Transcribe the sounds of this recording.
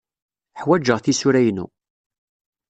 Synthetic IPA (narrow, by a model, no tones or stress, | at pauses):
ħwæd͡ʒəʁθisuɾæjnṵ